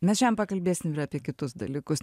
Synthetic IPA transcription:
mʲɛsʒʲɛmpɐkɐlʲbʲeːsʲɪmɪrɑːpʲiɛkʲɪt̪ʊsd̪ɐ̰lʲikʊs

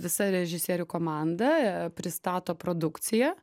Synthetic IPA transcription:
ʋʲɪsɐɾʲɛʒʲɪsʲiɛɾʲʊkoːmɑnd̪ɐpʲɾʲɪst̪ɑːt̪oːpɾoːd̪ʊkt̪sʲɪjɛ

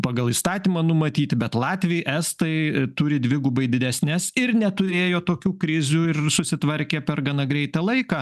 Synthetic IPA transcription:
pɑːɡɐlˠiːst̪ɑːt̪ʲiːmɐːnʊmɐt̪ʲiːt̪ʲɪbʲɛt̪lˠɑːt̪ʲʋʲɪɛjʔɛst̪ɐɪt̪ʊɾʲɪd̪ʲʋʲɪɡʊbɐɪd̪ʲɪd̪ʲɛsʲnʲɛsɪɾnʲɛt̪ʊɾʲeːjoːt̪oːkʲuːkɾʲɪzʲuːɪɾsʊsʲɪt̪ʋɐɾʲkʲeːpʲɛɾɡɑnɐɡɾʲɛɪt̪ɐlˠɐɪkɑː

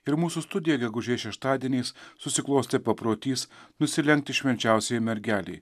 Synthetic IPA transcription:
ɪɾmuːsust̪ʊd̪ʲɪjɛɡʲɛɡʊʒʲeɪʃʲɛʃt̪ɑːd̪ʲiɛnʲeːssʊsʲɪklˠoːsʲt̪ʲepɐpɾoːt̪ʲiːsnʊsʲɪlʲɛŋk̚t̪ʲɪʃʲʋʲɛnʲt͡ʃʲæˑʊsʲɛjmʲɛɾʲɡʲæːlʲḛː

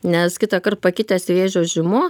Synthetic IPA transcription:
nʲɛskʲɪt̪ɐkɐrt̪̚pɐkʲɪt̪ʲɛːsʲɪʋʲeːʒʲoːʒʲɪmoː

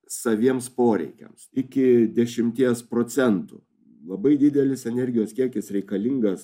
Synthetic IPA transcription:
sɐʋʲiɛmspoːɾʲɛ̰ɪkʲɛ̰msɪkʲɪd̪ʲɛʃʲɪmʲt̪ʲiɛspɾoːt͡s̪ʲɛnt̪ṵː | lˠɐbɐɪd̪ʲɪd̪ʲɛlʲɪsɛnʲɛɾʲɡʲɪjoːskʲiɛkʲɪsɾʲɛɪkɐlʲɪŋɡɐs

